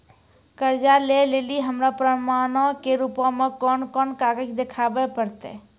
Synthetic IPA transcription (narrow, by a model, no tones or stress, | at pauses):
kəɾd͡ʒaleleliɦəmɾapɾəmanɔkeɾupɔ̃mekɔnkɔnkaɡəkd̪ekʰabɛpəɾt̪ɛ̰